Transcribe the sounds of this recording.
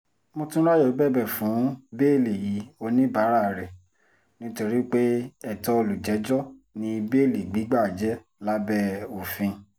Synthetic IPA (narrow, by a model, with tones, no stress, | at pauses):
mo˧tũ˦ɾa˦jo˨˦bɛ˦˨bɛ˦˨fũ˨˦be˦˨le˨ji˨˦o˧nĩ˦ba˨˦ɾa˦˨ɾɛ˨ | nĩ˦to˧ɾi˦k͡pe˦ɛ˨tɔ˧o˧lu˨d͡ʒɛ˨˦d͡ʒɔ˦˨nĩ˧be˦˨li˨ɡ͡bi˨˦ɡ͡ba˦˨d͡ʒɛ˦ | la˦bɛ˦o˨fĩ˧